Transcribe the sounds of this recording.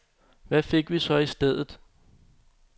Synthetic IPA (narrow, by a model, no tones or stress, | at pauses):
ʋæfe̝ɡ̥ʋisɒ̽isd̥eð̞̰ˠð̩ˠ